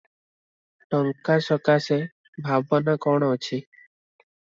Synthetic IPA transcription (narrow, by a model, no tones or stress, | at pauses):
ʈɔŋkasɔkase | bʱabbɔnakɔɽ̃ɔɔt͡ʃʰi